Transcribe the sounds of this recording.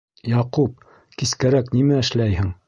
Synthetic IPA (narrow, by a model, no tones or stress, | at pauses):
jɑqup̚ | kiskæɾæknimæɘ̆ʃlæjhɘŋ